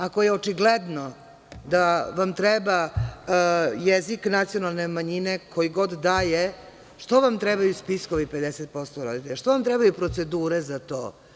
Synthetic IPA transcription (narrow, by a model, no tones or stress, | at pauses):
akojeot͡ʃiɡled̪no | d̪aʋamt̪ɾɛba | jeziknat̪sijo̞nalˠne̞maɲine̞kʰo̞jiɡo̞d̪ːaːje | ʂt̪oʋamt̪ɾɛbajuspisko̞ʋipe̞d̪eset̪̚po̞st̪oɾod̪it̪eʎaʃt̪oʋamt̪ɾɛbajupɾo̞t̪se̞d̪uːɾezat̪o̰ː